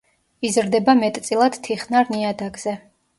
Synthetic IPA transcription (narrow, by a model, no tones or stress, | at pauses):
izɾd̪ɛbamɛt̪ʼt̪sʼilˠad̪̥t̪ʰiχnaɾniad̪aɡz̥ɛ